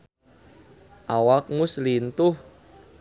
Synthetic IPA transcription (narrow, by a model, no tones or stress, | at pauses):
ʔawak̚ŋʊslint̪ʊh